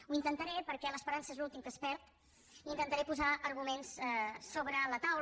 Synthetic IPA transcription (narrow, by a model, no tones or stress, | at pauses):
uint̪ənt̪əɾepəɾkɛləspəɾansəezlulˠt̪imkəspɛɾt̪ | int̪ənt̪əɾɛpuzaʔəɾɣumensɛsoβɾələt̪aw